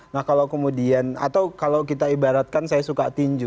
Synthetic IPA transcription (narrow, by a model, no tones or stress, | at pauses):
nahkalawkəmudiana̰t̪awkalawkit̪aibaɾat̪̚kansajasukat̪iɲd͡ʒʊ